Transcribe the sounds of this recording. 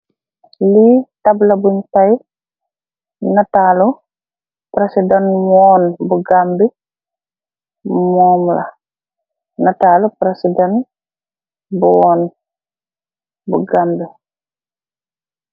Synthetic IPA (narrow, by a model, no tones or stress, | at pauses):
litɐblɐbuɲtɐj | nɐtaːlu | pɾesidɛnmɔːnbuɡambi | mɔːmlɐ̰ | nɐtaːlupɾesidɛn | bɔːn | buɡambi